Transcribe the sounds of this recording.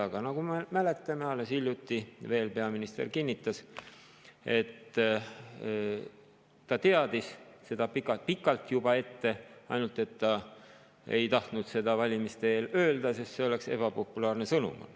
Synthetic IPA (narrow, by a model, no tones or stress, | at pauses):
ɑɡ̥ɑnɑɡ̥umemæle̞t̪ˑːɑmeɑlːe̞silʲjut̪ːive̞ːlpe̞ɑminist̪e̞̰rkinʲːit̪ːˑɑs | e̞t̪ː | ɑt̪e̞ɑd̪̥isse̞d̪̥ɑpikːˑɑpikːˑɑlt̪jubɑe̞t̪ːe̞ɑ̰jnult̪ˑe̞t̪ːɑ | e̞̰jt̪ɑht̪nud̪̥se̞d̪ɑvɑlʲimist̪eeːlø̞ːld̪ɑsest̪se̞o̞le̞kse̞̰b̥ɑpo̞pːˑulɑːrnesɤnṵmo̰l